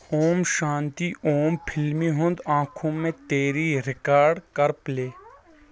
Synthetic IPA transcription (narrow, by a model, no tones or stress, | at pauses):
hoːmʃãːnt̪ioːmpʰɪlmiɦʊ̃nd̪ãːkʰõmẽt̪eːɾiɾɪkaːɾɖkɐɾpleː